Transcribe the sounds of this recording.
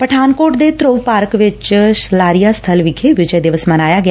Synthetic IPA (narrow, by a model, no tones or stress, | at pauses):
pəʈʰaːnkoːʈd̪eːt̪ɾoːpaːɾəkʋɪt͡ʃslaːɾijaːst̪ʰəlʋɪkʰeːʋɪd͡ʒəjd̪ɪʋəsmənaːjaːɡɪa